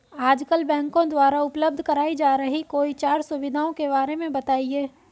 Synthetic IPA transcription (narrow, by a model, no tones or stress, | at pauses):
aːd͡ʒkəlbɛ̃ːŋkõd̪waːɾaʊpləb̚d̪ʱkɐɾaːid͡ʒaːɾəɦikoːit͡ʃaːɾsʊʋɪd̪ʱaːõkebaːɾemẽbɐt̪aːieː